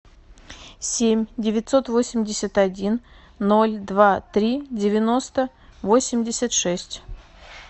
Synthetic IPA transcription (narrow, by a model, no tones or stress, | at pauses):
sʲemʲdʲɪvʲɪt̪ʲso̞t̪vosʲɪmʲdʲɪsʲət̪ɐdʲinː | o̞lʲd̪vat̪ɾʲidʲɪvʲɪno̞st̪ə | vo̞sʲɪmʲdʲɪsʲət̪ʂɛsʲtʲ